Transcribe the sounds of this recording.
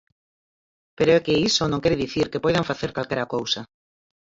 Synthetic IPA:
peɾoekeisonõŋkeɾeðiθiɾkepojðaɱfaθeɾkalkeɾakowsa

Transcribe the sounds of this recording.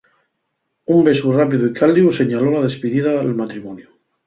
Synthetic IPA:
umbe̞surapiðuikʰald̪iuse̞ɲalolað̞e̞spiðiðalmat̪ɾimõnju

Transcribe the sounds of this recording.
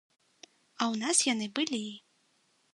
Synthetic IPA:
ɐwnasjanɨbɨlʲi

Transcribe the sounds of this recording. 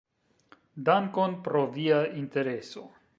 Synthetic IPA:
daŋkonpɾo̞viainte̞ɾe̞so

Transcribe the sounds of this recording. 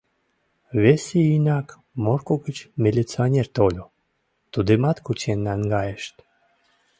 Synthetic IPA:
βeseinɑk | morkoɣət͡ɕmʲilʲit͡sionʲert̪olʲo | t̪ud̪emɑt̪kut͡ɕenːæŋɡɑjeʃt̪

